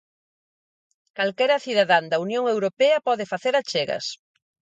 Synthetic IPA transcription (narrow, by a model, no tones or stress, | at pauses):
kalkɛɾɐθiðaðand̪ɐunjoŋewɾopɛɐpɔðɪfaθeɾat͡ʃeɣɐ̰s